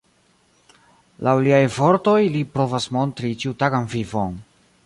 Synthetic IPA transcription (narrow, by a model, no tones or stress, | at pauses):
lʔawliajvo̞ɾto̞jlipɾo̞vasmo̞ntɾit͡ʃiutaɡanfifon